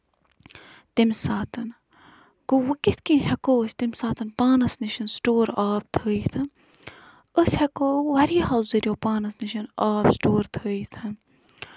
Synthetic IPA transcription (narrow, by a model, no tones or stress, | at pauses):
t̪imsaːt̪ɐn | ɡ̥oʋɐkit̪kinhɐkoːsʲt̪imsaːt̪ʰɐnpaːnɐsniʃɐnsʈoːɾaːb̚t̪ʰəːit̪ʰɐ | əshɐkoːʋɐɾiɦɐlziɾʲjoːpaːnɐsniʃɐnaːbsʈoːɾt̪ʰəːit̪ʰɐ